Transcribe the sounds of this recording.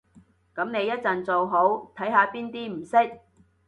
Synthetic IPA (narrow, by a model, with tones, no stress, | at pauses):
kɐ˨˥mne˨˧jːɐ˥t̚t͡sɐ˨nt͡so˨wɦo˨˥wt̪ʰɐ˨˥jɦaː˧piː˥nt̪iː˥m̩˨˩sɪ˥k̚